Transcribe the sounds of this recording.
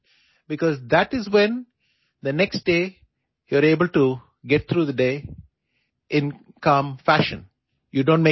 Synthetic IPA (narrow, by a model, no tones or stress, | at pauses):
bɪkɔːzd̪æʈɪzwẽn | d̪əneksʈ̚ɖeː | juəɾeːbəlʈu | ɡɛʈ̚t̪ʰɾuːd̪əɖeː | ʔɪ̃n | kʌ̃ːmfæʃə̰̃n | juɖõːnʈ̚me